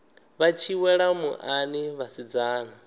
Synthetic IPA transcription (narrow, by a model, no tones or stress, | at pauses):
βat͡ʃʰiwɛɺamṵʔaniβasid͡zaːna